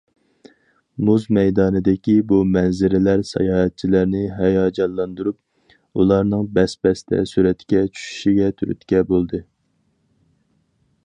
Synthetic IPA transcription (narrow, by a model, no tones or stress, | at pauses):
muzmɛjd̪ɑːnɨd̪ɪkʲibumɛnzɪɾɪlæɾsɛ̰jɑːɦɛt̪̚t͡ʃʰilæɾnɪɦɛjɑːd͡ʒɑllːˠɑnd̪uɾup̚ | ulˠɑɾnɨŋbɛspɛst̪ʰɛ̰suɾɛt̪kʲɛt͡ʃʰy̥ʃy̥ʃiɡʲɛt̪ʰyɾy̰t̪kʲɛbolˠd̪ɨ